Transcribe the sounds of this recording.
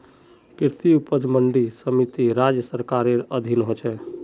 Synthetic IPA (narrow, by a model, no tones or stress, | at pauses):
kiɾt̪iupəd͡ʒməɳɖisəmit̪iɾad͡ʒjəsəɾkaɾeɾəd̪ʱinɦot͡ʃʰɛ